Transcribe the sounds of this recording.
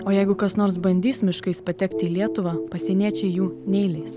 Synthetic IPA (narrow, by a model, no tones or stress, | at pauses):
oːjɛɪɡʊkɐsnoːɾs̬bɐnʲd̪ʲiːsʲmʲɪʃkɐɪspɐt̪ʲɛkt̪ʲɪːlʲiɛt̪ʊʋɑːpɐsʲɛnʲiɛt͡ʃʲɛjuːnʲɛɪlʲɛɪs